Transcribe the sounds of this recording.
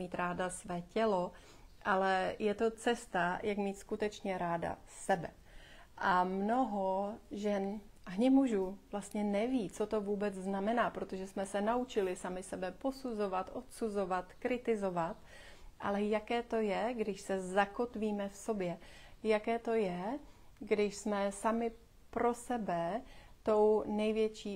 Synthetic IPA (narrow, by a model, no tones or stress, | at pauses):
miːt̪ɾaːdasvɛːcɛlo̞ | ʔalɛjɛt̪o̞t͡sɛst̪ajʔakmiːt̪skut̪ɛt͡ʃɲɛɾaːda̰sɛbɛ | ʔamno̞ɦoʒɛn | ʔaɦɲɛmuʒuv̥last̪ɲɛnɛviːt͡so̞t̪o̞vuːbɛt͡sznamɛnaːpɾot̪o̞ʒɛsmɛsɛnaut͡ʃɪlɪsamɪsɛbɛpo̞suzo̞vat̪ʔo̞t̪suzo̞vat̪kɾɪt̪ɪzo̞vat̪ | ʔa̰lɛjakɛːt̪o̞jɛɡdɪʃsɛzako̞t̪viːmɛfso̞bjɛjakɛːt̪o̞jɛɡdɪʃsmɛsamɪ | pɾo̞sɛbɛt̪o̞wnɛjvjɛt͡ʃiː